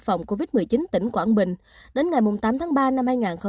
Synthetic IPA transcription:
k̚fa˨˩wŋ͡mko˧vi˦˥t̚mɨ˨˩əjt͡ɕi˨˦nt̪ï˧˩ŋ̟kwaː˧˩nɓï˨˩ŋ̟ | ɗe˨˦nŋa˨˩jmʊ˨˩ŋ͡mt̪aː˨˦mt̪ʰaː˨˦ŋɓaː˧na˧mhaː˧jŋaː˨˩nxə˧

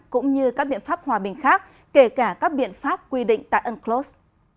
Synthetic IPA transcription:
kʊ̰˧˥ŋ͡mɲɨ˧kaː˦˥k̚ɓḭ˧˨ənfaː˦˥p̚hwaː˨˩ɓï˨˩ŋ̟xaː˦˥k̚ | ke˧˩kaː˧˩kaː˦˥k̚ɓḭ˧˨ənfaː˦˥p̚kwi˧ɗḭ̈˧˨ŋt̪a̰ː˧˨jʔə˧nklo˦˥s

